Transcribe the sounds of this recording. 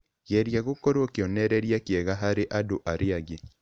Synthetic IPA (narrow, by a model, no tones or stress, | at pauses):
ɣɛɾjaɣokoɾokeɔnɛɾɛɾjakeɛɣaɦaɾeʔadoʔaɾeaɣe